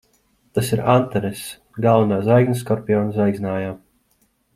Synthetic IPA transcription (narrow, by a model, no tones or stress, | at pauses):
t̪asiɾant̪ɛɾes | ɡalˠvanaːzajɡns̬kɔɾpʲijɔːnsajɡzʲnaːjaː